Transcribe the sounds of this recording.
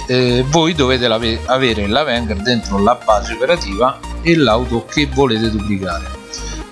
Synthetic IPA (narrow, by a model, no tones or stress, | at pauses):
vojd̪oveːt̪elaveaveːɾɪlavɛŋɡɛɾd̪ent̪ɾolabːaːzeopeɾat̪iːvaelːawt̪okevːoleːt̪ed̪ublikaːɾe